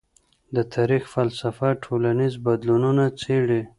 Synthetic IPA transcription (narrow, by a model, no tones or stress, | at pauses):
d̪ət̪ʰaɾixfalsafaʈʰolanizbad̪lununat͡seɽe